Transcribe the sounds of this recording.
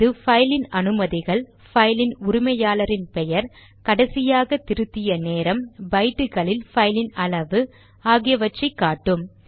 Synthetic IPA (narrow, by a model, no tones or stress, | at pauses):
ðɯfɐjlɪnɐnɯmɐðɪɣɐɭ | fɐjlɪnʊɾʊmɐjaːlɐɾɪnpɛjɐɾ | kɐɽɐsɪjaːɣɐt̪ːɪɾɯt̪ːɪjɐneːɾɐmbɐɪʈːɯɣɐɭɪlfɐjlɪnɐɭɐʋɯ | aːɣɪjɐʋɐt͡ʃːɐɪkːaːʈːɯm